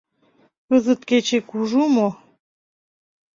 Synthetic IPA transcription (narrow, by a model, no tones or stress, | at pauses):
kəzət̪ket͡ɕekuʒumo